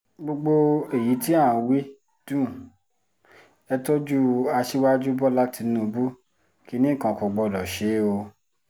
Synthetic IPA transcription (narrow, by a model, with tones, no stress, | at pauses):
ɡ͡bo˧ɡ͡bo˧e˨ji˨˦ti˦a˦˨˧wi˦ | d̥ũ˦˨ | ɛ˧to˦d͡ʒu˦a˧ʃi˦wa˦d͡ʒu˦bɔ˦la˦ti˨˧˦nũ˧bu˦ | ki˧˦nĩ˦˨kã˨˧˨kɔ˧ɡ͡bɔ˧˨lɔ˨ʃe˨˦o˧